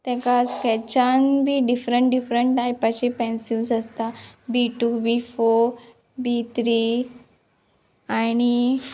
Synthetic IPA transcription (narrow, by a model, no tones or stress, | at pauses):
t̪ɛ̃kaskɛt͡ɕanbʱiːɖifɾəɳʈɖifɾəɳʈʈːajpat͡ɕipɛ̃nsilsəst̪abiʈubifoɾ | bit̪ʰɾi | añi